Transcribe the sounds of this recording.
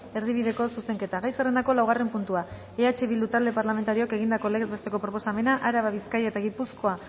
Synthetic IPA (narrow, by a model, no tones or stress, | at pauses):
e̞ɾðiβ̞iðe̞ko̞suse̞ŋke̞t̪aɣajserend̪ako̞lawɣ̞are̞mpunt̪ua | eat͡ʃe̞βild̪ut̪ald̪epaɾlame̞nt̪aɾio̞ake̞ɣ̞ind̪ako̞le̞ɣezβe̞st̪e̞ko̞pɾo̞po̞same̞naʔaɾaβaβ̞iskajaet̪aɣipusko̞a